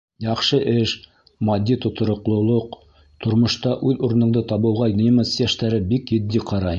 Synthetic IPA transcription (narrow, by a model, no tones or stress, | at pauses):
jɑχʃɤʔɘʃ | mɑd̪ʲːit̪ŏt̪ŏɾŏqlˠŏlˠoq | t̪ʰŏɾmŏʃt̪ɑʔʉðuɾɤ̆nɤ̆ɴd̪ɤt̪ɑβɤ̆wʁɑnʲimɤsjæʃt̪æɾɘbikjɘ̆d̪ːiqʰɑɾɑj